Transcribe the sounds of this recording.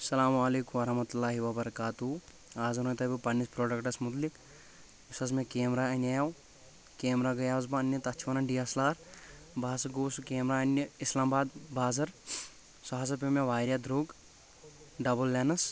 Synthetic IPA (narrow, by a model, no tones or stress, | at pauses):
sɐlaːmaːleːkumɐɾɐɦmɐt̪ulːaːɦiʋɐbɐɾɐkaːt̪uɦu | aːzɐnot̪ɐbʲipɐnːispɾoːɖɐkʈɐsmʊt̪̬lik | usɐs̬mẽkeːmɾaːɐnʲɐjaw | keːmɾaːɡɐjaːzbɐɐnjɐt̪ɐt͡ʃʰʋɐnɐnɖijɐslaːɾ | baːsɐɡoːsukeːmɾaːɐnəislaːmbaːd̪baːzɐɾ | saɦas̬ɐpemeʋaːjɾʲjad̪ɾoːɡ | ɖɐbɐlːeːnɐs